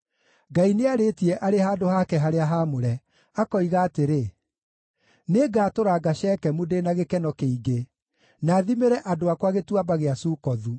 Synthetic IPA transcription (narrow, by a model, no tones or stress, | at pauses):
ɡaineaɾetiɛʔaɾehaːdohakɛɦaɾeaɦamoɾɛ | akɔiɣaːteɾe | neɡaːtoɾaɡaʃɛːkɛmudenaɣekɛnɔkeiɡe | naːðimeɾɛʔadoakwaɣetuabaɣeasuːkɔðu